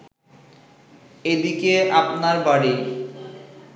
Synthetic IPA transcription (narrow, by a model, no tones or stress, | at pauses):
ed̪ikeapnaɾbaɽi